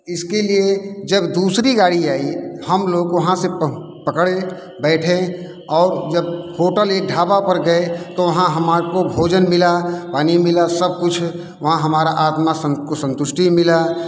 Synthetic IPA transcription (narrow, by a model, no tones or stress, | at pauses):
ɪskelied͡ʒəbd̪uːsɾiɡaːɽiaːihəmloːɡʋɐɦãse | pəkɽe | bɛːʈʰẽ | ɔːɾd͡ʒəb̚hoːʈəleːk̚ɖʱaːbapəɾɡəet̪oʋɐɦãɦəmakobʱoːd͡ʒənmɪlapaːnimɪlasəb̚kʊt͡ʃʰ | ʋɐɦãɦəmaːɾaʔaːt̪masəkosə̃nt̪ʊʃʈimɪla